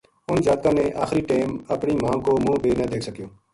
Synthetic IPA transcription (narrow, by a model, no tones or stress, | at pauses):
ʊnzaːd̪̚kãːnẽːʔa̰ːxɾiːʈeːməpɳiːmãːkoːmũːbeːnəd̪eːkʰsəkjoː